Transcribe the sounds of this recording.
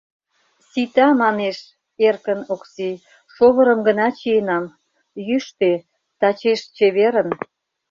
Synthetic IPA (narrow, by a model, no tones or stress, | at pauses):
sit̪ɑmɑneʃ | erkənokse | ʃoβə̆ɾə̆mɡənɑt͡ɕienɑm | jyʃt̪e | t̪ɑt͡ɕeʃt͡ɕeβeɾən